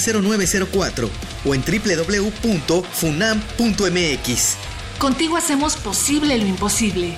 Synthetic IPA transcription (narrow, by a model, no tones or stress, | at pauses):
se̞ɾo̞nwe̞β̞ese̞ɾo̞kwat̪ɾo̞̰ | oe̞nt̪ɾiple̞ðo̞βle̞upunt̪o̞funampunt̪oemeekis | ko̞nt̪iɣoase̞mo̞spo̞siβle̞loimpo̞siβle̞